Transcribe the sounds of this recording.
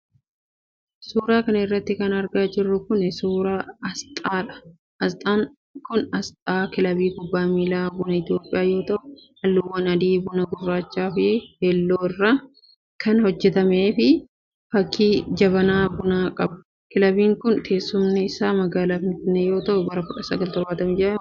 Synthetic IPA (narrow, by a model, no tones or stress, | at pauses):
suːɾaːkɐnɐɪrːɐt̪ːɪkɐnɐɾɡaːd͡ʒɪrːʊkʊnɪsuːɾaːɐst̪ʼaːᶑɐ̥ | ɐst̪ʼaːŋ | kʊnɐst̪ʼaːkɪlɐbiːkʊbːaːmiːlaːbʊnɐɪt̪ɪjo̞ːpʼːɪjaːjo̞ːt̪ɐʔʊhɐlːʊwːɐnɐd̪iːbʊnɐɡʊrːaːt͡ʃːaːfɪɪheːlːoːɪrːa | kʰɐnhɔd͡ʒːɛt̪ɐmeːfɪ | fɐkːiːd͡ʒɐβɐnaːbʊnaːkʼɐb | kɪlɐbiːŋkʊnt̪ʰe̞ːsːʊmnɪɪsaːmɐɡaːlaːfɪnfɪnːeːjo̞ːt̪ɐʔʊbɐɾɐkʊᶑɐsɐɡɐlt̪ɔɾbaːt̪ɐmɪd͡ʒɪɾɐ